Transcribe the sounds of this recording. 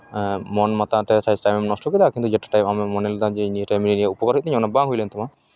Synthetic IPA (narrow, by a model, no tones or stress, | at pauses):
mɔnmat̪at̪ɛsaisʈajmɛmnɔsʈɔkid̪akint̪ud͡ʒɛʈḁʈajmamɛmɔnɛld̪ãd͡ʒɛiniʈajmininijaupɔkɔɾɦit̪̚t̪iɲɔnabãŋɦujlɛnt̪ɔma